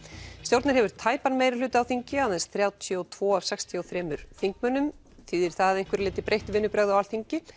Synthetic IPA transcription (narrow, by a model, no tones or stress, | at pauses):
st̪jowɾt̪naɾ̥ɦɛvʏɾ̥t̪ʰaːjpanmeːjɾɪlʏːt̪ɪawθiɲcɪaððɛnsθɾjaːwt̪ʰɔwt̪ʰvɔːav̥sɛkst̪ʰiɔwθɾɛːmʏɾ̥θiŋkmœnːʏm | θiːðɪɾ̥θaaðejŋ̥kvɛɾlɪːt̪ɪpɾejht̪vɪnːʏpɾɛɣðawalθiɲcɪ